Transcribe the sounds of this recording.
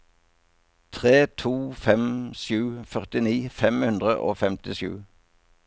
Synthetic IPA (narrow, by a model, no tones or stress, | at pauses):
t̪ʰʁeːt̪ʰuːfɛmʃjʉːfœʁt̪ɪniːfɛmhʉnd̪ʁəʔo̰ːfɛmt̪ɪʃʉ̰ː